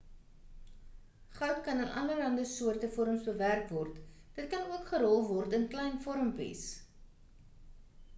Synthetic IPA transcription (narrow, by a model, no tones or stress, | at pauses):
χœwtkɐnɐnʔɐ̰ləlɐndəsuərtəfɔɾəmsbəværkvɔrtd̥ət̚kɐnuəkχəɾɔlˠvɔrtənklɛjnfɔɾəmpḭs